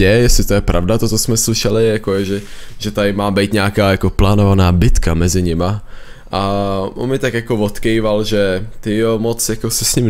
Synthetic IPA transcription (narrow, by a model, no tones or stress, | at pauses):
ɛjɛsɪt̪o̞jɛpɾʔa̰vdat̪ot̪osmɛslɪʃɛlɪjakojɛʒɛʒ̥ɛt̪adɪmaːbɛjt̪ɲaakaːjako̞plaːnovanaːbɪt̪kamɛzɪɲɪma | ʔao̰nmɪt̪akjako̞vo̞t̪kɛjvalʒɛt̪ɪjomot͡sjako̞sɛsɲɪm